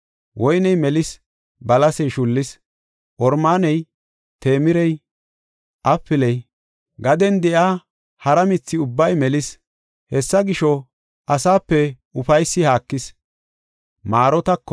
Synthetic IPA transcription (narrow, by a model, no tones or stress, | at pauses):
wʔɔjnɛjmɛlɪs | bɐlɐsɛjʃʊlːɪs | ʔɔɾmaːnɛj | t̪e̞ːmɪɾɛj | ʔɐfːɪlɛj | ɡɐd̪ɛnd̪ɛʔaː | hɐɾɐmɪt͡sːɪʊbːɐjmɛlɪs | hɛsːɐɡɪʃɔ | ʔɐsaːpːɛ | ʊfɐjsːɪhaːkːɪs | maːɾɔt̪ɐkː